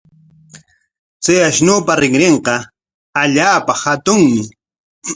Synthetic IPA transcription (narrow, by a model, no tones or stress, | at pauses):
t͡sajaʃnoːpaɾɪŋɾeɴqɑ | aʎaːpahat̪ʊŋmɪ